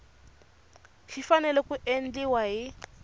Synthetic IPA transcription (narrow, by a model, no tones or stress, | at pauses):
ʃifanɛlɛkuʔen̩d͡ɮiwaɦi